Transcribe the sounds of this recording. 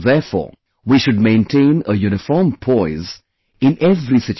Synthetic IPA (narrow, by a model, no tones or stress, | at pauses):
ðɛfɔ̰ː | wiʃʊɖ̚mẽɪ̃nʈʰẽɪ̃nəjuñɪfɔːmpʰɔɪz | ɪ̃nɛvɾisɪt͡ʃ